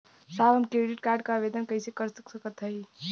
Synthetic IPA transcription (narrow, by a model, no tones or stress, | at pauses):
sabəmkɾeɖiʈkaɾɖ̚kaʋed̪ənkəɪsekəɾsəksəkət̪ɦəj